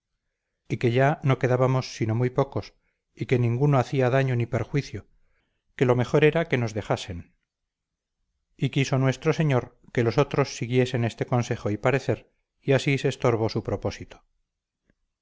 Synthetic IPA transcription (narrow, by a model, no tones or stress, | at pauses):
ike̞ʝano̞ke̞ðaβamo̞sːino̞mujpo̞ko̞s | ike̞nĩŋɡuno̞aθiaðaɲo̞nipeɾxwiθjo | ke̞lo̞me̞χo̞ɾe̞ɾake̞no̞zðe̞χase̞n | ikiso̞nwe̞st̪ɾo̞se̞ɲo̞ɾ | ke̞lo̞so̞t̪ɾo̞sːiɣje̞se̞ne̞st̪e̞ko̞nse̞χoipaɾe̞θe̞ɾ | iasise̞ːst̪o̞ɾβ̞o̞supɾo̞po̞sit̪o̥